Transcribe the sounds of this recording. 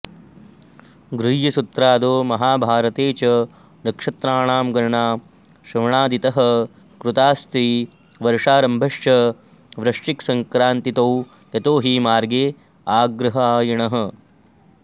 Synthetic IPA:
ɡɾujjɐsut̪ɾaːd̪oːmɐɦaːbʱaːɾɐt̪eːt͡ʃɐ | ɾɐkʂɐt̪ɾaːɳaːmɡɐɾɐɳaː | ʃɾɐʋɐɳaːd̪it̪ɐɦɐ̆ | kɾut̪aːst̪ɾiː | ʋɐɾʂaːɾɐmbʱɐʂjɐ | ʋɾɐʂʈiksɐŋkɾaːnt̪it̪ɐw | jɐt̪oːɦiːmaːɾɡeː | aːɡɾɐɦɐaːjɐɳɐɦɐ̆

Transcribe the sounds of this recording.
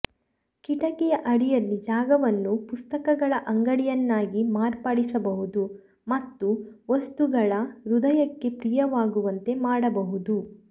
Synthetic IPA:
kiʈɐkɛjɐʔɐɽijɐlːid͡ʒaːɡɐʋɐnːupust̪ɐkɐɡɐɭɐʔɐŋɡɐɽijɐnːaːɡimaːɾpɐɽisɐbɐɦud̪u | mɐt̪ːuʋɐst̪uɡɐɭɐɾud̪ɐjɐkːe̞pɾijɐʋaːɡuʋɐnt̪e̞maːɽɐbɐɦud̪u

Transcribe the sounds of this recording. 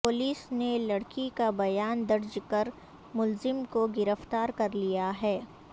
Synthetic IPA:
pʊliːsnelɐɽkikabɐjaːnd̪ɐɾd͡ʒkɐɾ | mʊlzɪmkoɡɪɾəft̪aːɾkɐɾlijaɦɛː

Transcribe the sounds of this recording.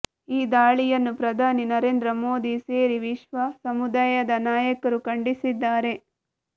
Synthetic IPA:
iːd̪aːɭijɐnːupɾɐd̪ʱaːninɐɾe̞ːnd̪ɾɐmo̞ːd̪iseːɾiʋiʃʋɐsɐmud̪aːjɐd̪ɐnaːjɐkɐɾukɐɳɖisid̪ːaːɾe̞

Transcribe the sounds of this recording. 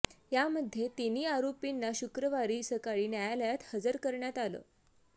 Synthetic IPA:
jaməd̪ʱjet̪iniːaɾopinːaɕukɾəʋaɾiːsəkaɭiːnjajaləjat̪həd͡zəɾkəɾɳjat̪alə̰

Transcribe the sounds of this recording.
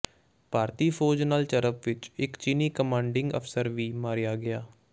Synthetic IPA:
paːɾt̪iːpʰoːd͡ʒnaːlt͡ʃəɾəpʋɪt͡ʃɪkt͡ʃɪniːkəmãːɳɖɪŋɡə̰pʰsəɾʋiːmaːɾijaːɡɪjaː

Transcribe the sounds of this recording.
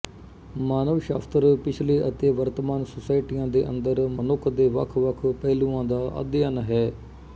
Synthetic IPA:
maːnəʋʃa̰ːft̪əɾpɪt͡ʃʰleːʔət̪eːʋəɾt̪əmaːnsʊsaːɪʈiːjãːd̪eːʔə̰nd̪əɾmənʊkʰːd̪eːʋə̰kʰʋəkʰpɛːlũːãːd̪aːʔə̰d̪ɪjəːnɦɛː

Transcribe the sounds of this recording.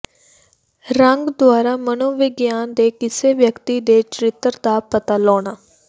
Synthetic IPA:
ɾəŋɡd̪ʊwaːɾaːmənoːʋɪɡjaːnd̪eːkɪseːʋjəkt̪iːd̪eːt͡ʃəɾɪt̪əɾd̪aːpət̪aːlɔːɽaː

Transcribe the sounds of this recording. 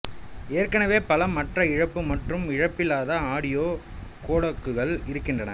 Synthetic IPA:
eːrkɐnɐʋeːpɐlɐmːɐʈrɐɪɻɐpːɯmɐʈrɯmɪɻɐpːɪlaːðɐaːɽɪjoː | koːɽɐkːɯɣɐɭɪɾɯkːɪndrɐnɐ̰

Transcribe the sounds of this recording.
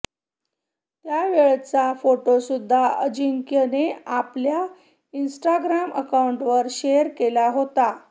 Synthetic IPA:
t̪jaʋeɭt͡safoʈosud̪ʱːaəd͡ʑiŋkjəneaplja | insʈaɡɾamə̰kauɳʈʋəɾɕejəɾkelaɦot̪a

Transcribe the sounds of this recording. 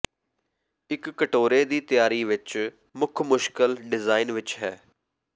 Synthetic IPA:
ɪkːəʈoːɾeːd̪iːt̪ɪjaːɾiːʋɪt͡ʃ | mʊkʰmʊʃkəlɖɪzaːinʋɪt͡ʃɦɛː

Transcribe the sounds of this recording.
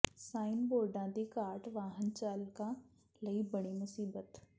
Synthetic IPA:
saːɪnboːɾɖãd̪iːkaːɾʈʋaːɦənt͡ɕaːlkã | lɐibəɽ̃imʊsiːbət̪

